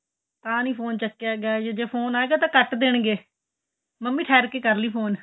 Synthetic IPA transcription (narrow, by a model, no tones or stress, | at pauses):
t̪ãːnĩːpʰoːnt͡ʃəkːjaːɡɪaːd͡ʒed͡ʒeːpʰoːnaːeːɡaːt̪ãːkəʈd̪eɳɡeː | məmːĩːʈʰɛːɾkeːkəɾliːpʰoːn